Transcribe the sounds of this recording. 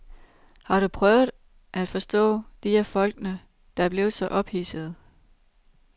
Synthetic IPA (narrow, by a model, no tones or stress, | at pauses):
hɑ̈ɾ̥upʰʁœʊð̩ˠ | ʔæd̥fɒ̽sd̥ɔ̰̽ːd̥iheɐfɒ̽lɡ̥nə | d̥ɑ̈æɐb̥le̝ːð̩ˠsɒ̽ʔɒ̽b̥hiːsəð̞̩ˠ